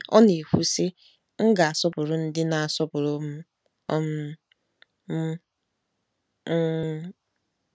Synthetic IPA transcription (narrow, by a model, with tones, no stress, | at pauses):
ɔ̰˦ne˨hu˦sɪ˦ | ŋ̩˦ɡa˨a˨sɔ˦pʊ˨ɾʊ˨n̩˦dɪ˦na˨a˨sɔ˦pʊ˨ɾʊ˦m̩˦ | ɔ˦m̩˦ | m̩˦